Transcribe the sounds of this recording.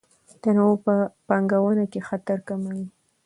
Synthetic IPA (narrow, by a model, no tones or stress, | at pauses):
d̪̥anapəpɑŋɡawənakexat̪aɾkamawi